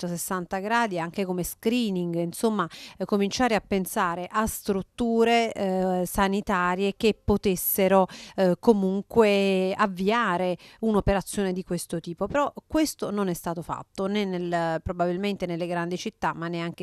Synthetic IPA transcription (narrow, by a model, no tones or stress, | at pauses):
t̪osesːant̪aɡɾaːd̪iaŋk̟ekomeskɾiːniŋɡinsomːakomint͡ʃaːɾeapːensaːɾeʔast̪ɾut̪ːuːɾesanit̪aːɾjek̟epːot̪esːeɾokomuŋkweavːiaːɾeunopeɾat̪sːjoːned̪ikwest̪ot̪iːpopeɾɔkwest̪ononɛst̪aːt̪ofa̰t̪ːonenːelpɾobabilment̪enelːeɡɾand̪it͡ʃit̪ːamːanːeaŋke